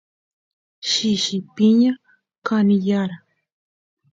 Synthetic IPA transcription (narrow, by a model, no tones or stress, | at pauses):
ʃɪʃɪpiɲa | kanɪjaɾa